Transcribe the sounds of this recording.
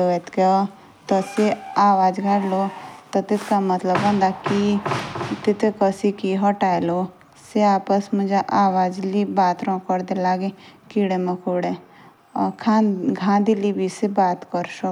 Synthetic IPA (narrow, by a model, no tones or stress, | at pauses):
oet̪keɔ | t̪ɔseaːʋaːd͡ʒɡʱaɽlot̪ɔt̪ɪt̪kamɐt̪ləbɐ̃nd̪aki | t̪ɪt̪ekəsikiɦɔʈaːelo | seaːpəsmʊd͡ʒaʔaːʋaːd͡ʒlibaːt̪ɾɔ̃ːkɔɾd̪elaːɡẽkiːɽemɐkʰuːɽe | kʰaɡʱãːnd̪ilibʱisebaːt̪kɔɾʃɔ